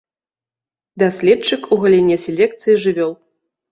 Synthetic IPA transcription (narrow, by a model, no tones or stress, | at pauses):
d̪asʲlʲɛtt͡ʂɨkuɣɐlʲɛnʲɛsʲelʲɛk̚t̪sɨjiʐɨvʲɔlˠ